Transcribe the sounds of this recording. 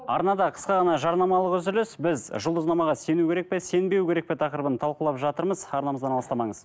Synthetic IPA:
ɑ̰ɾnɑd̪ɑqʰə̥sqɑʁɑnɑʒɑɾnɑmɑlˠəqɵzɪlɪsbɪzʒʊlˠd̪əznɑmɑʁɑse̞nukʲʰeɾe̞k̚pe̞se̞nbe̞wkʲʰe̞ɾe̞k̚pe̞t̪ʰɑqəɾəbənt̪ʰɑlˠqəlˠɑpʒɑt̪əɾməzɑɾnɑməzd̪ɑnɑlˠəst̪ɑmɑɴəz

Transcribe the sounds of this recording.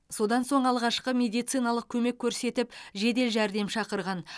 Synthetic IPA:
so̞d̪ɑnso̞ɴɑlˠʁɑʃqəmʲe̞d̪ijt̪sijnɑlˠəq̚kʲʰɵme̞kʲʰːɵɾse̞t̪ɪpʒe̞d̪e̞lʒæɾd̪e̞mʃɑqəɾʁɑn

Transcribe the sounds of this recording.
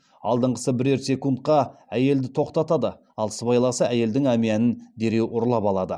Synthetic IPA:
ɑ̰lˠd̪əɴqə̥səbɪɾeɾsʲe̞kunt̪̚qɑæje̞ld̪ɪt̪ʰo̞qt̪ɑt̪ɑd̪ə | ɑlˠsəbɑjlˠɑsəæje̞ld̪ɪŋæmiænɪnd̪e̞ɾe̞wʔʊɾlˠɑpɑlˠɑd̪ə

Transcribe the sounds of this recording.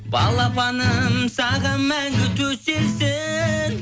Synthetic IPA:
bɑlˠɑpʰɑnəmsɑʁɑnmːæŋɡʲɪt̪ʰɵselsɪn

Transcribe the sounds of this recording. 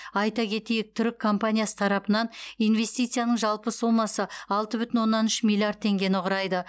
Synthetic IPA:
ɑjt̪ɑkʲʰe̞t̪ejɪk̚t̪ʰʏɾɪkʰːo̞mpanʲijasə̥t̪ʰɑɾɑpənɑnijnve̞st̪ijt̪sɨjanəɴʒɑlˠpəsumɑsəɑlˠt̪əbʏt̪ɪnwo̞nːɑnʏʃmʲilʲˠijard̪̚t̪ʰːe̞ŋɡʲe̞nɪʊʁɾɑjd̪ə

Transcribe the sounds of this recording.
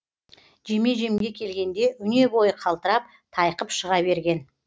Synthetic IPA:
ʒe̞me̞ʒe̞mɡʲe̞kʲʰe̞lɡʲe̞nd̪e̞ʔʏne̞bo̞jəqʰɑlˠt̪əɾɑp̚ | t̪ʰɑjqəpʃəʁɑβe̞ɾɡʲe̞n

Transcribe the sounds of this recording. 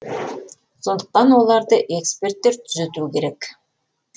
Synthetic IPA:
so̞nd̪ə̥q̚t̪ɑnwo̞lˠɑɾd̪əʔe̞kspe̞rt̪ːe̞ɾt̪ʰʏzet̪ukʲʰe̞ɾe̞k

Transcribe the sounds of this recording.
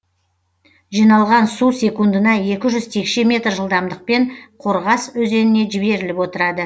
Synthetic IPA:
ʒijnɑlˠʁɑnsuse̞kund̪ənɑje̞kʲɪʒʏz̥t̪ʰe̞kʃe̞mʲe̞t̪rʒəlˠd̪ɑmd̪əq̚peɴqʰo̞ɾʁɑswɵze̞nɪne̞ʒɪbe̞ɾɪlɪpwo̞t̪əɾɑd̪ə

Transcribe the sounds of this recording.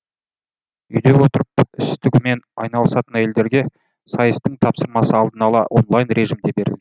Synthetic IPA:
ʏjd̪e̞wo̞t̪əɾəpɪst̪ɪɡʲɪme̞nɑ̰jnɑlˠəsɑt̪ənæje̞ld̪e̞ɾɡʲe̞ | sɑjəst̪əɴt̪ʰɑpsəɾmɑsəɑlˠd̪ənɑlˠɑ̰ʔo̞̰nlˠajnɾe̞ʒimd̪e̞be̞ɾɪ̰ld̪ɪ

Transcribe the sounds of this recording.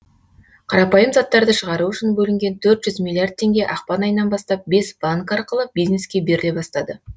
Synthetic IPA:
qʰɑɾɑpɑjəmzɑt̪ːɑɾd̪əʃəʁɑɾuʏʃɪnbɵlɪŋɡʲe̞nt̪ʰɵɾt̪ʒ̥ʏzmʲilˠijard̪̚t̪ʰːe̞ŋɡʲe̞ʔɑqpɑnɑjənːɑnbɑst̪ɑp̚be̞sb̥aŋkɑɾqəlˠəbijzne̞skʲe̞be̞ɾɪle̞bɑst̪ɑd̪ə

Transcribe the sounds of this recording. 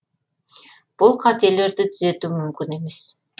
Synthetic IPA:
b̥ulˠqʰɑt̪ijele̞ɾd̪it̪ʰyzø̞t̪yːmymkyne̞me̞s

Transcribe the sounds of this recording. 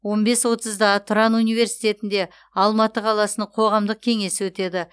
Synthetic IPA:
wo̞nbe̞swo̞t̪əzd̪ɑt̪ʰʊɾɑnunijve̞ɾsijt̪e̞t̪ɪnd̪e̞ | ɑlˠmɑt̪əqʰɑlˠɑsənəɴqʰo̞ʁɑmd̪əq̚kʲʰe̞ŋe̞sɪwɵt̪e̞d̪ɪ

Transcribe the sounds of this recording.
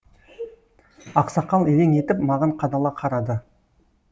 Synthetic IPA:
ɑqsɑqɑlˠeɾeŋe̞t̪ɪpmɑʁɑɴqʰɑd̪ɑlˠɑqʰɑɾɑd̪ə

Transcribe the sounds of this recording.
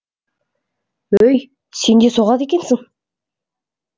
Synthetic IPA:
ɵj | se̞nd̪e̞soʁɑt̪e̞kʲe̞nsɪŋ

